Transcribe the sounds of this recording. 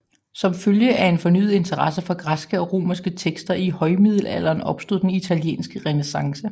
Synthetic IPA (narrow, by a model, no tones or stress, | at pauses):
sɒ̽mføljəʔæe̝nfɒ̽ny̰ːð̞̩ˠe̝nt͡sʰɐʁɑsəfɒ̽ɡ̥ʁasɡ̥əɒ̽ʁo̝̰ːmɐsɡ̥ət͡sʰeɡ̥sd̥ɐʔihɒ̽ɪmið̞̰ˠl̩æ̰l̰ɐːnɒ̽b̥sd̥o̝ð̰ˠd̥enit͡sʰæljḛːnsɡ̥əʁɛnesɑ̈ŋsə